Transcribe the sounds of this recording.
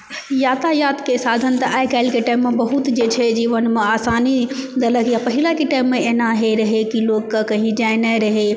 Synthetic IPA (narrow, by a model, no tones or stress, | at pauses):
jaːt̪ajaːt̪kesaːd̪ʱənt̪ɐʔaːɪkaːɪlkeʈaːɪmːẽbɐɦʊt̪d͡ʒeːt͡ʃʰed͡ʒiːʋənmẽaːsaːnid̪ɐləkʰjapɐɦɪlakiʈaːɪmːẽeːnaɦeɾɐɦekiloːkkakɐ̃ɦĩd͡ʒaːɪnaːeɾɐɦe